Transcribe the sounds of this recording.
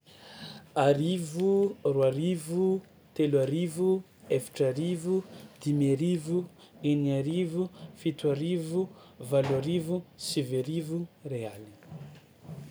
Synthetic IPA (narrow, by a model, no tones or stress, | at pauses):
aɾivuruaɾivu | t̪eluaɾivu | efi̥ʈ͡ʂaɾivud̪̥imeɾivu | eniaɾivufit̪uaɾivuvaluaɾivusiveɾivureali̥